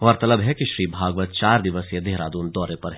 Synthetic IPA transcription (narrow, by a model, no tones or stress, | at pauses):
ɔːɾt̪ɐləbɦɛkiʃɾiːbʱaːɡʋət̪̚t͡ʃaːɾd̪ɪʋəsjed̪eɦɾa̰ːd̪uːnd̪ɔːɾepɐɾɦɛ